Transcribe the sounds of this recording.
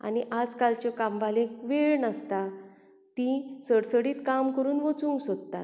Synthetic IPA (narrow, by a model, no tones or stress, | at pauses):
a̰niʔad͡zkalt͡ɕɔkamʋalẽkʋeɭnast̪a | t̪ĩsəɽsəɽiːt̪kamkəɾuːnʋɔt͡sũŋɡsot̪t̪a̰t̪